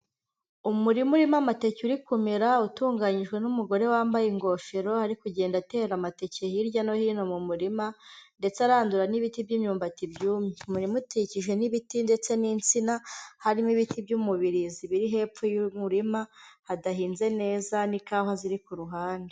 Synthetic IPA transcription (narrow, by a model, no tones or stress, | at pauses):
umuɾimuɾimamate̞ceuɾikumeɾautuːŋɡaɲiʒɡwe̞numuɡo̞ɾe̞waːmbajeŋɡo̞ːfeɾo̞haɾikuɟe̞ːndate̞ːɾamate̞cehiɾɟano̞hino̞mumuɾimande̞t͡seaɾaːnduɾaniβitibɟiːmɲuːmbatibjuːmimuɾimuticiʒwe̞niβitinde̞t͡se̞niːnt͡sinahaɾimiβitibɟumuβiɾiziβiɾiɦe̞p̪p͡fujumuɾimahadaɦiːnze̞ne̞ːzanikaːɦaziɾikuɾuɦaːnde